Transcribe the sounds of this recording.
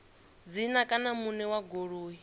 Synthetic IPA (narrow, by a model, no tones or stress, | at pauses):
d͡zinakʼanamunɛwaɡoɺuːɦi